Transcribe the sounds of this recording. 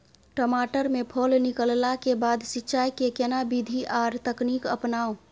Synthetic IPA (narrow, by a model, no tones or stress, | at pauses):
ʈɔmaʈəɾmepʰolnikəllakebad̪sitːʃajkekenabid̪ʱiʔaɾt̪əknikə̰pnaːo